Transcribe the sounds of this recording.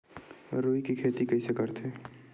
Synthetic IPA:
ɾoːikikʰeːt̪ikəɪsekəɾt̪ʰeː

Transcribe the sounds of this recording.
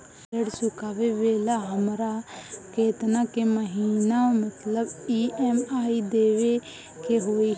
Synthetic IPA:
əɽsʊkaːʋeʋeːlaɦəmɾakeːt̪nãkeməɦiːnamət̪ləbiːɛmaːid̪eːʋe | keɦoːi

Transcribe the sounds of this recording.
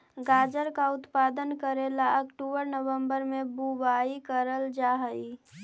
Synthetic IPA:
ɡad͡ʒəɾkaʊt̪pad̪ənkəɾelaəkʈubəɾnəwəmbəɾmebubaikəɾəld͡ʒaɦəi

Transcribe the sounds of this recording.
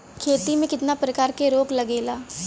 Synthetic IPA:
kʰeːt̪imẽkɪt̪napɾəkaːɾkeɾoːklɐɡeːlaː

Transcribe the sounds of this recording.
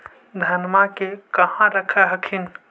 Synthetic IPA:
d̪ʱənmakekəɦãɾəkʰɛɦəkʰin

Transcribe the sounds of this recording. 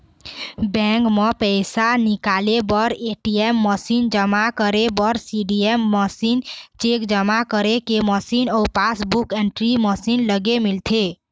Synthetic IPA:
bɛ̃kmepəɪsanikalebəɾeʈiemːəsind͡ʒəmakəɾebəɾsiɖiemːəsint͡ʃekd͡ʒəmakəɾekeməsinɔupasbukeɳʈɾiməsinləɡemilt̪ʰe

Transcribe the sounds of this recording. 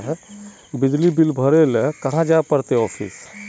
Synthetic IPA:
ɦɛ | bɪd͡ʒlibɪlbʱəɾelkɐɦãd͡ʒapəɾt̪eɔːpʰḭs

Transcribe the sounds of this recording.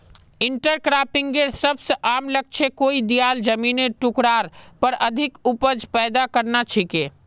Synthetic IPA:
iɳʈəɾkɾapiŋɡeɾsəbsəʔamləɡ̚t͡ʃʰekoid̪ijald͡ʒəmineʈukɽaɾpəɾəd̪ʱikupəd͡ʒpɛːd̪akəɾnat͡ʃʰike

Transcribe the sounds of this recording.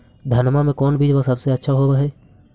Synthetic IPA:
d̪ʱɐnmamẽkɔːnbʱiːd͡ʒʋasɐbseɐtːʃʰaɦobaɦɛː

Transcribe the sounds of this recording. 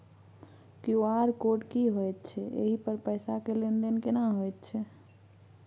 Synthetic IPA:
kjoaɾkoʈkiɦojt̪̚t͡ʃʰɛʔḛɦipəɾpəjsakelend̪enkenaɦojt̪̚t͡ʃʰɛ

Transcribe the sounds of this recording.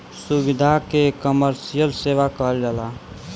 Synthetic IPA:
subid̪ʱakekəməɾsijəlseʋakəɦəld͡ʒala

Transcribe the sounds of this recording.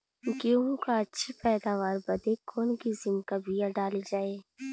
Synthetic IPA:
kjõɦkaɐtːʃʰepɛːd̪aːʋaːɾbɐd̪ekʰoːnkizɪmkabʱijaɖaːled͡ʒaːeː

